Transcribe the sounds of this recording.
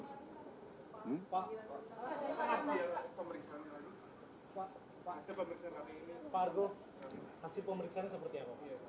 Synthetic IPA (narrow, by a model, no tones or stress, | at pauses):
paʔ | asipəməɾiksaanalani | a | pasɪlpəməɾiksaankadainparɡo | hasɪlpəməɾiksaansəpərt̪iakɔʔja